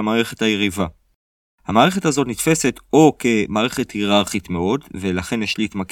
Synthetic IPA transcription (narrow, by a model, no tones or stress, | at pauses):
amaːʁe̞χe̞thajeʁiva | hamaːʁe̞χe̞thazo̞tnitfe̞se̞to̞ke̞maːʁe̞χe̞thiʁaʁχitme̞o̞dve̞laχe̞njeʃliːtmak